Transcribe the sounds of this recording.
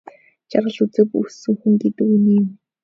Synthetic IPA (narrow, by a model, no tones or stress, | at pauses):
t͡ɕaɾʁə̆ɮut͡sɘ̆pṵsɘ̆ŋxuŋɡet̪ɘ̆kuniːm